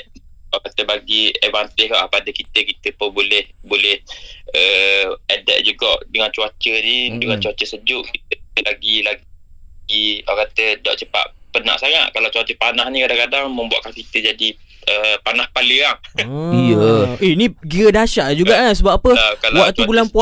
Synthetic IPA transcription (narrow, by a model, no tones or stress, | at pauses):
akat̪əbaɡievant̪ɪhkaʔpadəkit̪əkit̪əpənbolɛhbolɛhəɛdɛʔ̚d͡ʒuɡɔʔdəŋant͡ʃuat͡ʃənidəŋant͡ʃuat͡ʃəsəd͡ʒʊʔkit̪laɡila | iɔkat̪ədɔ̰ʔt͡ʃəpa̰ʔpəna̰ʔsaŋa̰ʔkalawt͡ʃuat͡ʃəpanahnĩkadaŋkadaŋməmbua̰ʔkankit̪əd͡ʒadi | ʔəpanahpaləaŋijəeniɡiɣədaʃaʔd͡ʒuɡaʔkansəbapapəkalwaʔt̪ubulanpuaʔ